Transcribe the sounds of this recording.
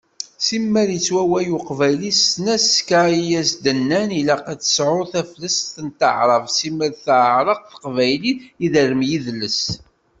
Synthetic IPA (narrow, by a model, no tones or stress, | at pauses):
simːəɾjət͡sːwæwæjuqvæjlisnæsːkaijæsd̪ənːænilæqæt͡sə̥sʕʊɾθæflæsθənt̪əʕɾˤəvsiməɾθʕəɾˤəqθə̥qvæjliiðəɾəmjiðlːəs